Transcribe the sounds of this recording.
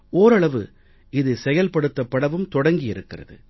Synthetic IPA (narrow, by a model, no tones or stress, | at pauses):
oːɾɐɭɐʋɯ̰ | ɪðɯsɛjɐlpɐɽɯt̪ːɐpːɐɽɐʋɯmt̪ɔɽɐŋɡɪjɪɾɯkːɪrɐ̰ðɯ̰